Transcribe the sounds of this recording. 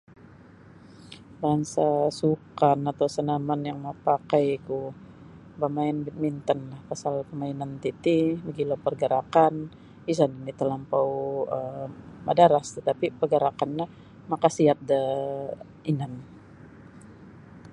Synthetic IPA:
baŋsasukanat̪awsənamanjaŋməpakajku | bamaɪnbit̪̚mint̪ənlahpasalkəmainant̪it̪ibəɡilopərɡəɾakan | is̬aninit̪əlampawəmadaɾast̪ət̪apipərɡaɾakanːa | makasiat̪̚də | inan

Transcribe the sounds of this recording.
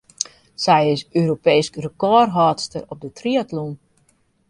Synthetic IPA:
sɛjɪsøːɾopejskrəkɔrɦɔːtstəɾɔp̚dətriətlun

